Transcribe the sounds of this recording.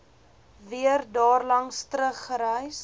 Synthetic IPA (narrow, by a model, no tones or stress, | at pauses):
viərdɑːrlɐŋstɾəχːəɾɛjs